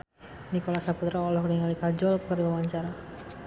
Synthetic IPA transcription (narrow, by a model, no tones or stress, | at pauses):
nikolasaput̪ɾaːlɔhknəŋalikad͡ʒɔlkəriwawaɲt͡ʃaɾa